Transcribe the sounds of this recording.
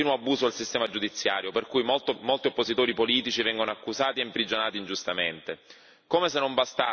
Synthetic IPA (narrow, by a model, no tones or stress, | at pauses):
iːnoabːuːzoalsist̪ɛːmad͡ʒud̪it̪sːjaːɾjoperkujmot̪molt̪iopːozit̪oːɾipoliːt̪it͡ʃivɛŋɡonoakːuzaːt̪iempɾid͡ʒonaːt̪ind͡ʒust̪ament̪e | koːmesenːombast̪a